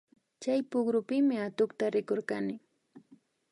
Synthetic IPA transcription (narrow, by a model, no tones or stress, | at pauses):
t͡ʃajpʊɡɾʊpɪmɪat̪ʊkt̪aɾɪkoɾkanɪ